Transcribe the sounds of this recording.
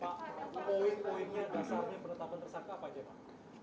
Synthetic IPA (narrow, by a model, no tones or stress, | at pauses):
paʔɪnpoɪnɲadasaɲapənut̪amant̪ərsaŋkapad͡ʒapaʔ